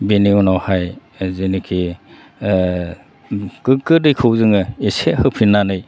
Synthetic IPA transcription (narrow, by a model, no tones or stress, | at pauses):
beniunawhaj | zenikʰi | kɯkɯdɯjkʰɯwzɯŋɯesehɯwpʰinːanɯj